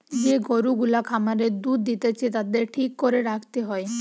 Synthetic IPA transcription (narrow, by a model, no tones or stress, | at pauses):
d͡ʑeɡoɾuɡulakʰamaɾed̪ud̪ːit̪et͡ɕʰet̪ad̪eɾʈʰikːoɾeɾakʰt̪eɦɔe